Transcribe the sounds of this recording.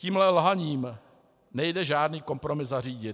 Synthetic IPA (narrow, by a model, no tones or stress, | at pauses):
ciːmlɛlɦaɲiːm | nɛjdɛʒaːdniːko̞mpɾo̞mɪzzariːɟɪt̪